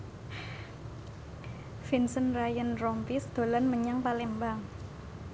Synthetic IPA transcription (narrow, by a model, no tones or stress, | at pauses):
finsənrajənrɔmpisd̪̥o̤lanməɲaŋpalɛmbaŋ